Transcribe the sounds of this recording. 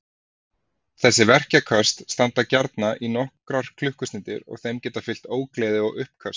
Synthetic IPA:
θɛsːɪvɛr̥cakʰœst̪st̪ant̪acaɾt̪naʔinɔhkɾaɾ̥kʰlʏhkʏst̪ɪːt̪ɪɾɔ̰ɣθejmcɛːt̪afɪl̥t̪oːwklɛːðɪɔɣʏhpkʰœst̪

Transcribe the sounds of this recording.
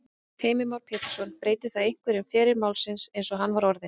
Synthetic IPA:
heːjmɪmawɾ̥pʰɛːt̪ɪ̥sɔnpɾeːjt̪ɪθaðejŋ̥kvɛɾɪmfɛːɾɪɾmaːwlsɪnsejnsɔɦanːvaɾɔɾðɪ

